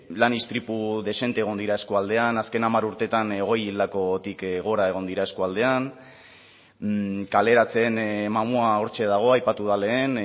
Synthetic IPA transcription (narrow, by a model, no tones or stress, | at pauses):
lanist̪ɾipuðe̞se̞nt̪eɣo̞nd̪iɾae̞skoald̪e̞anaske̞namaɾuɾt̪e̞t̪anɣ̞o̞jild̪ako̞t̪ikɣo̞ɾae̞ɣ̞o̞nd̪iɾae̞skoald̪e̞an | kale̞ɾat͡se̞nmamuao̞ɾt͡ʃe̞ðaɣ̞o̞ajpat̪uð̞ale̞ːn